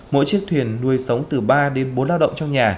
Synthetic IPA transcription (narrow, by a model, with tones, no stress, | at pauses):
mo̰˧˥jt͡ɕi˦˥ək̚t̪ʰwi˨˩ənːu˧˩əjsə˨˦wŋ͡mt̪ɨ˨˩ɓaː˧ɗe˨˦nɓo˨˦nlaː˧wɗə̰˧˨ŋ͡mt͡ɕɔ˧ŋ͡mɲaː˨˩